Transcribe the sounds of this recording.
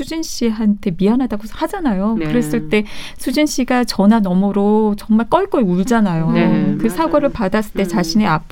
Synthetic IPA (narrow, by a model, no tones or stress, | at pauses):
ud͡ʑinɕ͈iɦantʰe̞mianɦadaɡohad͡ʑanajokɯɾe̞s͈ɯɭt͈e̞ | sʰud͡ʑinɕ͈iɡat͡ɕʌnanʌmʌɾot͡ɕʌŋmaɭk͈ʌɭk͈ʌɭuɭd͡ʑanajokɯsʰaɡoɾɯɭpadas͈ɯ̥ɭt͈e̞t͡ɕaɕʰine̞ap̚ʰ